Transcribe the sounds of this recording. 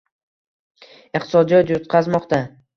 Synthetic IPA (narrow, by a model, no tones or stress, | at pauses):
ɪqt̪ʰɪ̥sɒd̪ijɒt̪jot̪qʰɑzmɒqt̪a